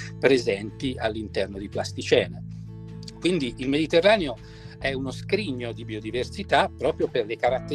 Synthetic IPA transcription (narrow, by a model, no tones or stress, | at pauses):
pɾezɛnt̪ialːint̪ɛrnod̪iplast̪it͡ʃɛːne | kwind̪iʔːlmed̪it̪erːaːneo | ɛunoskɾiɲːod̪ibiod̪iversit̪apːɾɔːpɾjoperlekaɾat̪ːe